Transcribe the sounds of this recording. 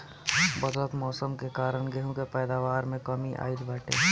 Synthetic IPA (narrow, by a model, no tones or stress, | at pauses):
bɐd̪lət̪mɔːsəmkekaːɾəɳɡeɦũkepɛːd̪aːʋaːɾmẽkɐmiʔa̰ːid̪bɛːʈʰḛː